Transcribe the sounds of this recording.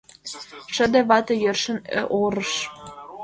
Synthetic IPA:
ʃə̆d̪ĕβɑt̪ɤ̆jerʃə̆n̰ʔoɾəʃ

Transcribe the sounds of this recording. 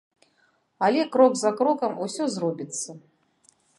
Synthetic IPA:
ɐlʲɛkɾɔɡzɐkɾɔkɐmusʲɔzrɔbʲit̪sːɐ

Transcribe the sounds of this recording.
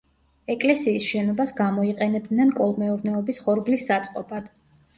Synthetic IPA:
ɛkʼlɛsiːsʃɛnɔbasɡamɔiqʼɛnɛb̚d̪nɛnkʼɔlˠmɛuɾnɛɔbisχɔɾblisːat̪sʼqʼɔpad̪̥

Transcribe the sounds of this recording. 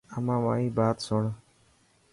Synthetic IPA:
əmãːʋaːĩːbaːt̪sʊɳ

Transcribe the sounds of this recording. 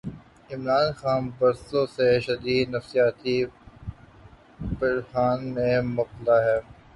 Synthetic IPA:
ɪmɾaːnxaːnbɐɾsõseʃɐd̪iːd̪nɐfsijaːt̪i | bɐɾhaːnmẽmɐq̪̚laɦɛː

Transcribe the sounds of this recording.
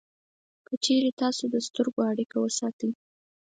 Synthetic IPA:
kət͡ʃeɾet̪ɑsod̪əst̪əɾɡoaɽikawəsɑt̪əj

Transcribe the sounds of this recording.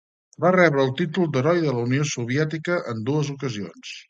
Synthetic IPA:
barɛβɾəːlˠt̪it̪ulˠd̪əɾɔjðələuniosuβ̞iɛt̪ikəʔənd̪uəzukəzio̰ns

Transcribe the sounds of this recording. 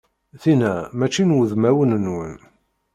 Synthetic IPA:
θinæmæt͡ʃːinwəðmæwənənwən

